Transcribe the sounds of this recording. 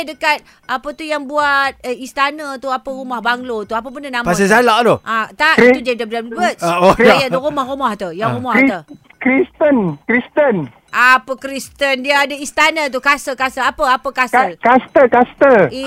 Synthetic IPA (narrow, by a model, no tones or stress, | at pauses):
dəkat̪̚ | apət̪ujaŋbuat̪̚əist̪anə̃t̪uapərumahbaŋlot̪uap̬əbəndənãmpas̬əsalaʔt̪uʔat̪aʔit̪ud͡ʒadababbətsojauɾumahrumaht̪ujaŋɾumahi | kɾist̪ənkɾist̪ən | apəkɾist̪əndiaadaist̪anə̃t̪̬uhkasəkasəapəapəkaskəkast̪əkast̪əi